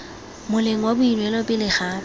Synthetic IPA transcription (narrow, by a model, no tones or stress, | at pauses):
mʊleŋ̩wabʊinwɛlɔpʼɪlɪχaː